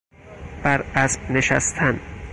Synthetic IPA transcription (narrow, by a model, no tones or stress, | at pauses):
b̥æɾæsb̥neʃæ̰st̪ʰæn